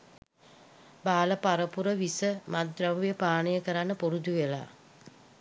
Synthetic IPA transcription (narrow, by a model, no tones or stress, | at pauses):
baːləpaɾəpuɾəʋisəmad̪raʋujəpaːnəjəkəɾanːəpuɾud̪uʋela̰ː